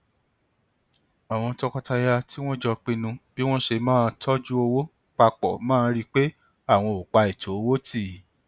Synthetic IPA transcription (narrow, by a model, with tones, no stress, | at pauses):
a˨w̃ɔ̃˧tɔ˧kɔ˧ta˧ja˧ti˦w̃ɔ̃˦d͡ʒɔ˧k͡pĩ˧nũ˧b̥i˦w̃ɔ̃˦ʃe˧mãː˦˧tʰɔ˦d͡ʒu˦o˧wo˦ | k͡pa˧k͡pɔ˨mãː˦˧ɾi˦k͡pe˦ | a˦˨w̃ɔ̃˧o˨k͡pa˧i˨tʰo˨˦o˧wo˦ti˦˨